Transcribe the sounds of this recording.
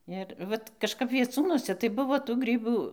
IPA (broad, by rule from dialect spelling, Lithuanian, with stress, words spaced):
ɪr ˈʋɐt kɐʃˈkɐp ʋʲiɛˈt͡suːnuɔsʲɛ tɐɪ ˈbʊʋoː tuː ˈɡrʲiːbuː